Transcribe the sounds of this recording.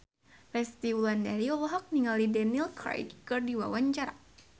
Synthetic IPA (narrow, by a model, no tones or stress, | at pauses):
fɛst̪iwulandaɾiɔlɔɦɔk̚niŋalidanilkɾa̰jkkɨrdiwawaɲt͡ʃaɾa